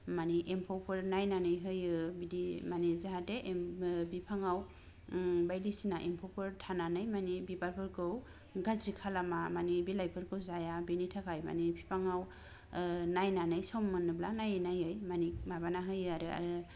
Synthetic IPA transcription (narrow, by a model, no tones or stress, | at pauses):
maniʔempʰɔwpʰɯɾnajnanɯjɦɯjɯbidimanizaɦateʔbipʰaŋaw | bajdisinaʔempʰɔwpʰɯɾtʰananɯjmanibibalpʰɯɾɡɯw | ɡazɾikʰalamamanibilajpʰɯɾɡɯwzajabinitʰakʰajma̰nipʰipʰaŋaw | najnanɯjsɔmːɯnɯblanajnajɯjmanimabanaɦɯjɯaɾɯa̰ɾɯ